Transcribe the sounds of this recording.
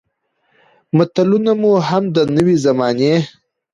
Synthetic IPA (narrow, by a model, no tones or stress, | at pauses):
mʊt̪alunamuɦamd̪ənəwizamɑne